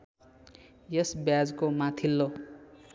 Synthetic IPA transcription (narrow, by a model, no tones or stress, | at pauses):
jʌsbjad͡zkomat̪ʰilːo